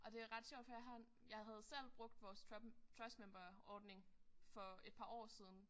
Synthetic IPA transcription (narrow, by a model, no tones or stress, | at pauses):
ʔɒ̽d̥e̝æʁɑ̈d̥ɕɔ̰ʊ̰d̥fɒjɑ̈ɦæn | jɑ̈ɪɦæð̞̩ˠsel̰b̥ʁɔ̽ɡ̥d̥ʋɒːst͡sʰʁɛsmemb̥ɐɒːd̥ne̝ŋfɒ̽e̝d̥̚pʰɑ̈ːɒ̰ːsiːð̞ˠn̩